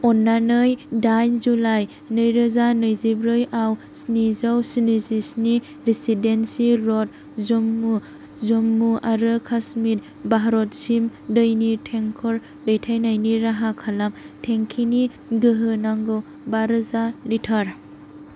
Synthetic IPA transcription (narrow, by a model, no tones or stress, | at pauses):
ɔnːanɯjdajnzulaj | nɯjɾɯzanɯjzibɾɯjaw | snizawsinizisni | ɾisidensiɾɔt̚ | zumːu | zomːuʔaɾɯkʰasmit̚ | baɦaɾɔt̚simdɯjnitʰeŋkʰɔɾ | dɯjtʰajnajniɾaɦakʰalam | tʰeŋkʰini | ɡɯɦɯnaŋɡɯw | baɾɯzalitʰaɾ